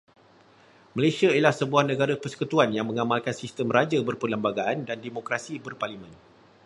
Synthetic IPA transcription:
məlesiaiilahsəbuahnə̃ɡaɾapərsə̥kut̪uanjaŋmə̃ŋamalkansist̪əmrad͡ʒabərpələmbaɡaʔandandemokɾasibərparlimə̃n

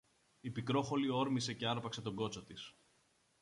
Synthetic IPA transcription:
ipikɾo̞xo̞lio̞ɾmise̞ce̞ɐɾpɐkse̞t̪o̞ɡo̞t͡so̞t̪is

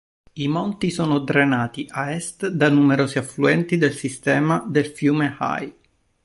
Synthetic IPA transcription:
imɔnt̪isoːnod̪ɾenaːt̪iʔaɛst̪d̪anumeɾoːziafluɛnt̪id̪elsist̪ɛːmad̪elfjuːmeha̰j

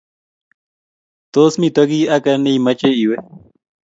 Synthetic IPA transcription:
t̪osmit̪ak̬iakanejmat͡ʃeiwe

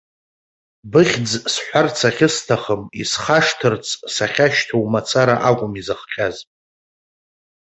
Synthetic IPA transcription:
bɨχʲd͡zsħʷᶣart͡sʰaχʲɪstʰaχəmisχaʂtʰɨrt͡sʰʼsaχʲaʃtʰowmat͡sʰaɾaʔakʷʼʊmizɨχqʲʼazpʼ

